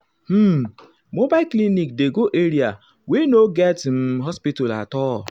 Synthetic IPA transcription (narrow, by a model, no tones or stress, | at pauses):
m̩ | mobaklinik̚deɡoʔeɾia | wenoɡɛtm̩ɦɔspitɔla̰tɔɔ